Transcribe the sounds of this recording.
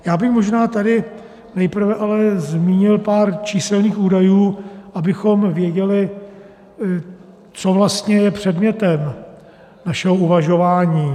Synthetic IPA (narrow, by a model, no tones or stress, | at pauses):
jaːbɪxmo̞ʒnaːt̪adɪ | nɛjpr̩vɛʔalɛzmiːɲɪlpaːɾt͡ʃiːsɛlniːxuːdajuːʔabɪxo̞mvjɛɟɛlɪ | t͡sovlast̪ɲɛjɛpr̝̥ɛdmɲɛt̪ɛm | naʃɛɦouvaʒo̞vaːɲiː